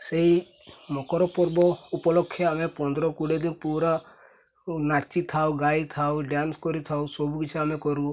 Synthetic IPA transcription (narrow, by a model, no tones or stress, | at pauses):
sei | mɔkɔɾɔpɔɾbɔupɔlɔkʰːeamepɔnd̪ɾɔkuɖed̪inpuɾa | nat͡ʃːit̪ʰawɡajt̪ʰawɖjanskɔɾit̪ʰawsɔbuɡit͡ʃʰaamekɔɾu